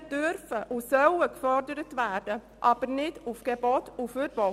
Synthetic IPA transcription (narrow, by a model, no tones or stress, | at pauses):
d̥øɾfəʔusœwəkfɔɾdəɾətvæːɾd̥ə | ʔɑːb̥əɾnɪdufɡ̥ɛbɔtuføɾbɔ